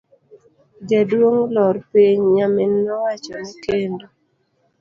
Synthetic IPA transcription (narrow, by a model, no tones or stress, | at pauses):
d͡ʒedwoŋlɔɾpiɲɲamɪnːɔwat͡ʃɔmekendo